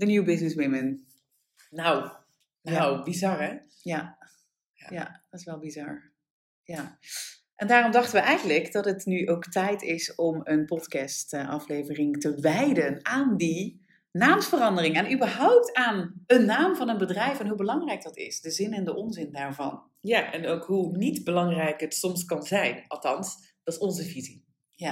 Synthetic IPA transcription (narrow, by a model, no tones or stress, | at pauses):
dənjiwbɪsnɪsmɪmən | naw | nawbizɑɹɛ | ja | ja̰dtɪsʋɛlˠbizɑɹ | ja | ʔɛndaːrɔmdɑχtənʋəʔɛjχən̩ləkdɑtətnyʔowktɛjtɪsɔmənpɔtkɛstʔɑ̰flejvərɪŋtəʋɛjdənaːndi | naːmsfərɑndərɪŋanʔybəɹɦɔwp̚taːnənːaːmvɑnənbədrɛjfɛnɦubəlɑŋrɛjk̚dɑtɪ̰sdəzɪnɛndəʔɔnzɪndaːɹvɑ̰n | jaʔɛnowkɦunitbəlɑŋrɛjkətsɔmskɑnzɛjnɑlˠtɑns | d̥ɑsɔnzəvizi | ja